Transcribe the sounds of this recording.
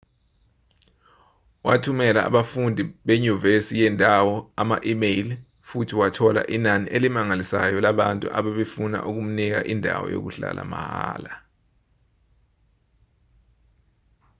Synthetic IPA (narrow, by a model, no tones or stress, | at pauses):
watʰumɛla̰ːɓafundʱiɓeɲuvesijɛndʱawɔamaʔimejl | futʰiwatʰɔla̰ʔinaniʔelimaŋalisajɔlaɓantʼṵʔaɓaɓefuna̰ʔuk̬um̩nik̬a̰ʔindʱa̰wɔ̰jo̰k̬uɬa̰lʔa̰mahaːla